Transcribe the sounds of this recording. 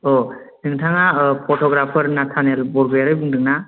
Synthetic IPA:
ɔ | nɯŋtʰaŋapʰɔʈʰɔɡɾapʰəɾnatʰanelbɔɾɡɯjaɾɯjbɯŋdɯk̚na

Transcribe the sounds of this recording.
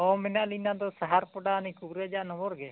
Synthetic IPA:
ɔmɛnaʔlinad̪ɔsaɦaɾpɔɖaːnikubɾɛd͡ʒaʔnɔbɔɾɡɛ

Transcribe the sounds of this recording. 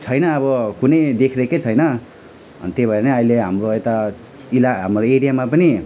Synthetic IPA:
t͡sʰʌjnʌːβʌkunʌjd̪ekʰreket͡sʰʌjnʌ | ʌ̰nt̪ebʱʌeneʌileɦamroet̪a | ilaɦamroeɾijamapʌni

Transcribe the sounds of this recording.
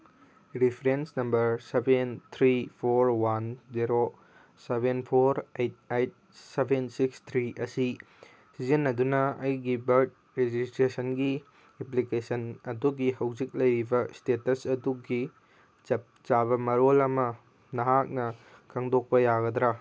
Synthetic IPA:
ɾipʰɾensnɐmbɐɾsebent̪ʰɾipʰoɾwanziɾo | sebenpʰoɾejt̚ejt̚ | sebensikst̪ʰɾiʔɐsi | sizinːɐdunɐɐjɡibɐɾt̚ | ɾed͡ʒistɾesɐnɡi | eplikesɐnɐduɡihɐwd͡ʒik̚lɐjɾibɐstetɐsɐduɡi | t͡ʃɐp̚ | t͡ʃaβɐmɐɾolɐmɐ | nɐɦak̚nɐkʰɐŋdok̚pɐjaɡɐd̪ɾa

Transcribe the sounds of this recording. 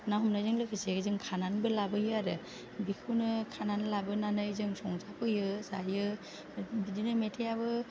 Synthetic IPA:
nawɦumnajzɯŋlɯkʰɯseɡɯzɯŋkʰananbɯlabɯjɯaɾɯ | bikʰɯwnɯkʰananlabɯnanɯjzɯŋsɔŋzapʰɯjɯzajɯ | bidinɯmetʰejabɯ

